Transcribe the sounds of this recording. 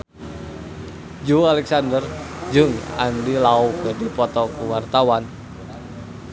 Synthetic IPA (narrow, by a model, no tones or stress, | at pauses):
d͡ʒualɛksandərd͡ʒɨŋa̰ndilaukədipɔt̪ɔkəwart̪awan